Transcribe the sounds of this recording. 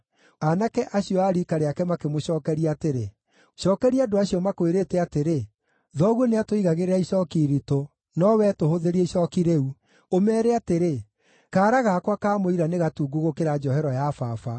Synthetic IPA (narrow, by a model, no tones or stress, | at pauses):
anakɛʔaɕiɔaːɾikaɾeakɛmakemoɕɔːkɛɾiateɾe | ʃɔːkɛɾiadoaɕiɔmakoeɾeːtɛateɾe | ðɔɣwɔneatoiɣaɣeɾeɾaiʃɔːkiɾito | nɔwɛtohoðeɾieʃɔkiɾeu | omɛːɾeateɾe | kaːɾaɣakwakaːmoiɾaneɣatuːɡuɣokeɾad͡ʒɔhɛɾɔjafafa